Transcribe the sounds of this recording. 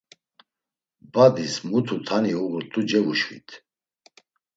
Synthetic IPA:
bad̪ismut̪ʰut̪ʰaniuɣɾt̪ʼud͡ʒɛvuʃwḭt̪ʰ

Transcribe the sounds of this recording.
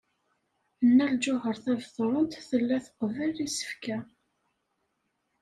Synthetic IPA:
ənːæld͡ʒʊɦəɾˤθævθɾˤənt̪θəlːæθə̥qːvəlːisə̥fkæ

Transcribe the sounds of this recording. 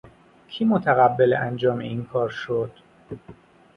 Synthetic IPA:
cʰiːmot̪ʰæɣæbːeleænd͡ʒɒːmeiːnkʰɒːɾʃod̪̥

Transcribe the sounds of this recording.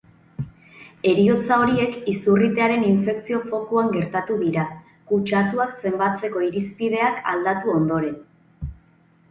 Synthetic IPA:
e̞ɾio̞t͡sao̞ɾie̞kisurit̪e̞aɾe̞niɱfe̞ksio̞fo̞kuaŋɡe̞ɾt̪at̪uðiɾa | kut͡ʃat̪uakse̞mbat͡se̞ko̞iɾispiðe̞aka̰ld̪at̪uo̞nd̪o̞ɾe̞n

